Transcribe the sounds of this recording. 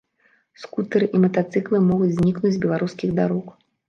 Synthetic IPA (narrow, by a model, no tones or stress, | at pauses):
skut̪ɐɾɨʔimɐt̪at̪sɨklˠɨmɔɣud͡zʲzʲnʲiknud͡zʲzʲbʲɛlˠaɾuskʲiɣd̪aɾɔk